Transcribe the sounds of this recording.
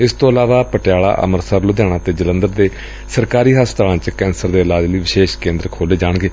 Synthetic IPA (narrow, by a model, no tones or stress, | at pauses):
ɪst̪õːəlaːʋaːpəʈɪjaːa̰ːʔə̰məɾsəɾlʊd̪jaːɽ̃aːt̪eːd͡ʒələ̃nd̪əɾd̪eː | səɾkaːɾiːɦaːst̪aːãːt͡ʃkɛːnsəɾd̪eːəlaːd͡ʒləiːʋɪʃeːʃkẽːnd̪əɾkʰoːleːd͡ʒaːɽɡeː